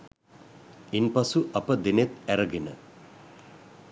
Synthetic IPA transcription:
inpasuʔɐpəd̪enet̪æɾəɡenə

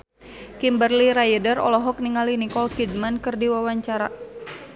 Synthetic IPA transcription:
kimbərliɾajədərɔ̰lɔɦɔk̚niŋalinikɔlkidmankɨrdiwawaɲt͡ʃaɾa̰

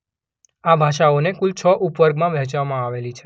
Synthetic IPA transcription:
abʱaʃaonekʊlt͡ʃʰɔʔupʋəɾɡmãʋɛ̃t͡ʃʋamãaʋelit͡ʃʰe̥

